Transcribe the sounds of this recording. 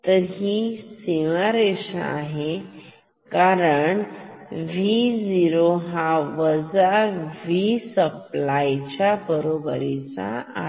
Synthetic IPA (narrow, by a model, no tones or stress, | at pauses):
t̪əɦiseʋaɾeɕa̰aɦe | kaɾəɳʋid͡ziɾoɦaʋəd͡zaʋisəplajt͡ɕabəɾobəɾit͡sa̰a̰